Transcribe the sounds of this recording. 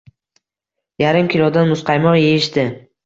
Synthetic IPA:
jaɾɪmkʲʰɪlˠɒd̪anmʊsqʰɑjmɒʁjejɪʃd̪ɪ

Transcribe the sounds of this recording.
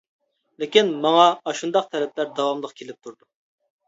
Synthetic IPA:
lɪkʲinmɑŋɑːʃund̪ɑq̚t̪ʰɛlɛplæɾd̪ɑwɑmlˠəqkʲʰelɪp̚t̪ʰuɾd̪u

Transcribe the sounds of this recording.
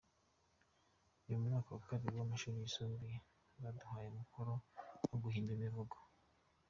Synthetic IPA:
ujomuŋaːkowakaβiɾiwamaʃuɾiisoːmbi | βaduhaːjeumukʰoɾowoɡuɦiːndimivuɡo̥

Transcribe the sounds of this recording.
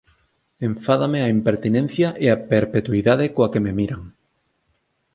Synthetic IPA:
ẽɱfaðameaimpeɾt̪inɛ̃n̟θjɐʔeapeɾpet̪uiðaðekoakememiɾaŋ

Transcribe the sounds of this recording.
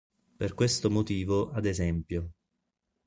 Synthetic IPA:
perkwest̪omot̪iːvoʔad̪ezɛmpjo

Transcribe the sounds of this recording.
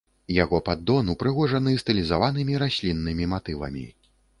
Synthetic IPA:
jaɣɔpad̪ːɔnupɾɨɣɔʐɐnɨst̪ɨlʲizavanɨmʲiɾasʲlʲinːɨmʲimat̪ɨvɐ̰mʲḭ

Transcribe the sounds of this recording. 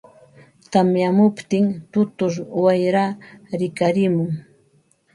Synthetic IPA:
t̪amjamʊpt̪ɪŋt̪ʊt̪ʊɾwajɾaɾɪkaɾɪmʊŋ

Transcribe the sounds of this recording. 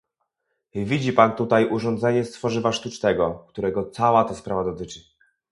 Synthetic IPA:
vʲid͡ʑipant̪ut̪ajʔuʐɔnd̪zɛɲɛst̪fɔʐɘvaʂt̪ut͡ʂt̪ɛɡɔkt̪uɾɛɡɔt̪sawat̪ɛspɾavad̪ɔt̪ɘt͡ʂɘ

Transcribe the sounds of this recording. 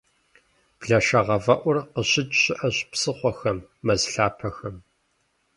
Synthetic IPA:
b̥ɮɐʃɐʁɐvɐʔʷʊrqəɕɪt͡ʃʼɕɪʔɐɕpsɨχʷɔxɐmːɐzɬaːpʰɐxɐm

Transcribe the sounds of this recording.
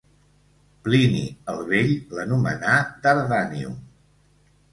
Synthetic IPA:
plinḭəlˠβeʎlənumə̰nat̪əɾðaniṵ

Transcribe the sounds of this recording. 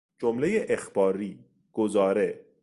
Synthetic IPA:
d͡ʒomlejeʔexb̥ɒːɾiː | ɡ̥ozɒːɾe

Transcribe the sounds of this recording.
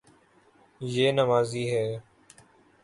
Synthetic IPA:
jeːnəmaːziːɦɛː

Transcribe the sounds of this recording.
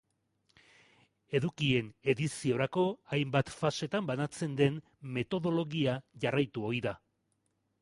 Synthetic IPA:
e̞ðukie̞ne̞ðisio̞ɾako̞ajmbat̪fase̞t̪ambanat͡se̞nd̪e̞n | me̞t̪o̞ðo̞lo̞ɣiaʝarajt̪uo̞ɾiða

